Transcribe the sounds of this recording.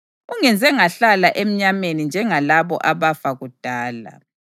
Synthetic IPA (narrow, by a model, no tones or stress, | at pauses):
uŋɛnd͡zʱɛŋaɬalaʔem̩ɲamenind͡ʒʱɛŋalaβɔ̰ʔaβafaɣud̥ʱaːla̰